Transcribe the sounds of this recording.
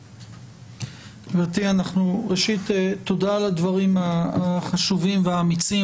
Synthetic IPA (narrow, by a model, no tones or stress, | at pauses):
vat̪ianaχnuʁeʃit̪etːodalad̪vaʁimaːχaʃuvimveaːmit͡si